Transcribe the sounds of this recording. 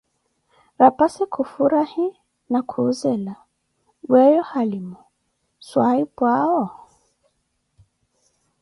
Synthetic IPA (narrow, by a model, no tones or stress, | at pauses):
ɾapasikʰufuɾahi | nakʰuːzɛla | wɛjɔhalimɔ | swaipwaɔ